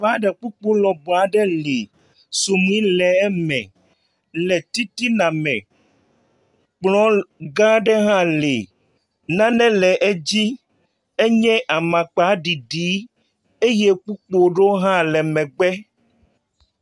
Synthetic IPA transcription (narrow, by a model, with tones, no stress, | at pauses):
a˦ɖɛ˨k͡pu˦k͡po˦lɔ˨bɔ˨a˨ɖɛ˦le˨ | so˨mĩ˦lɛ˨ɛ˦mɛ̰̃˨ | lɛ˨t̪i˦t̪i˦nã˨mɛ̃˨ | k͡plɔ̃˦ɡã˦ɖɛ˦ɦã˦le˨ | nã˦nɛ̃˦lɛ˨ʔɛ˦d͡ʑi˦ | e˦ɲɛ̃˦ʔa˨mã˨k͡pa˨˦ɖi˨ɖi˨˦ | e˦je˦k͡pu˦k͡po˦ɖo˦ɦã˦lɛ˨mɛ̃˨ɡ͡bɛ˦